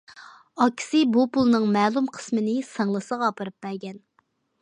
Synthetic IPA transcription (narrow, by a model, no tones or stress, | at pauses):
ɑkʲʰːi̥sɪbupulˠnɨŋmɛːlˠumqʰə̥smɨnɪsɑŋlˠɨsəʁɑːpɨɾɨp̚b̥ɛɾɡʲɛn